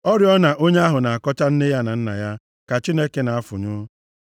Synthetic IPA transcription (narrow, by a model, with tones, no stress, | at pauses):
ɔ˦ɾjɔ˦na˨ʔo˦ɲe˦a˦ɦʊ˨na˨a˨kɔ˦t͡ʃa˦n̩˦ne˦ja˦na˨n̩˦na̰˨ja˦ | ka˨t͡ʃi˦ne˦ke˦na˨a˦fʊ̰˨ɲʊ˦